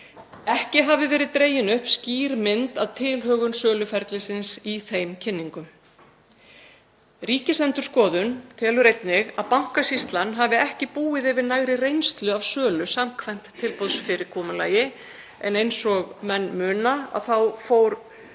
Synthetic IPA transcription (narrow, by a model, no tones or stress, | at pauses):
ɛhcɪɦaːvɪvɛːɾɪðt̪ɾeːjɪnʏhpsciːɾmɪnt̪aðt̪ʰɪːlɦœːɣʏnsœːlʏfɛɾt̪lɪsɪnsiθejmcʰɪnːiŋkʏm | riːcɪsɛnt̪ʏɾ̥skɔːðʏnt̪ʰɛːlʏɾejt̪nɪɣaðpawŋ̥kasist̪lanːɦaːvɪɛhcɪpuːɪðɛvɪɾnaːɣɾɪrejnst̪lʏavsœːlʏsamkʰvajn̥t̪ʰːɪlpɔðsfɪɾɪkʰɔːmʏla̰ːjɪ | ɛnejnsɔɣmɛnːmʏːnaa̰ðθawfoːwɾ